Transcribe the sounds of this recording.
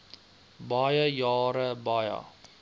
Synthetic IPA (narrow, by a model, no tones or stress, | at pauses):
bɑjəjɑːɾəbɐjə̰